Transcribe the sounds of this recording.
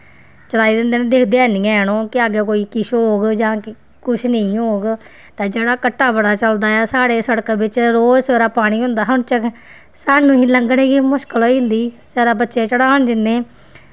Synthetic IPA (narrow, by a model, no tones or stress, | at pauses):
t͡ʃəlaːiːd̪ɪ̃nd̪eːnẽːd̪ɪːkʰd̪eɛːnĩːɛːñõːkɪaːɡeːkoːiːkɪʃɦoːɡd͡ʒãːk | kʊʃʰnəĩːɦoːɡ | t̪ãːd͡ʒeːɽaːkəʈːaːbəɽaːt͡ʃəld̪aːɛːsaːɽeːsəɽkabɪt͡ʃɾoːd͡ʒseːɾaːpaːɽ̃iːɦʊ̃nd̪aːɦənt͡ʃək | saːnũːɦiːləŋɡɽẽːɡiːmʊʃkəlɦoːiːnd̪iːsaːɾaːbətːʃeːt͡ʃəɽaːɳd͡ʒɪnːẽː